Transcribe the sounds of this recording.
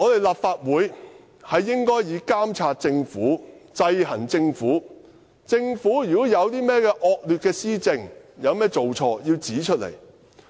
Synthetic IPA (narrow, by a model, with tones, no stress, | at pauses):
ŋɔː˨˧t̪e˨˩jlaː˨p̚faː˧t̚wuː˨˧˥j | hɐ˨jːɪ˥ŋkɔː˥jjiː˨˧kaː˥mt͡sʰaː˧t̚t͡sɪ˧ŋfuː˨˥t͡sɐ˧jɦɐ˨˩nt͡sɪ˧ŋfuː˨˥ | t͡sɪ˧ŋfuː˨˥jy˨˩kɔ˨˥jɐ˨˧wt̪iː˥mɛː˥kɛː˧ʔɔː˧k̚lyː˨t̚kɛː˧siː˥t͡sɪ˧ŋjɐ˨˧wmɛː˥t͡so˨wt͡sʰɔː˧jiː˧wt͡siː˨˥t͡ʃʰɵ˥t̚lḛ˨˩j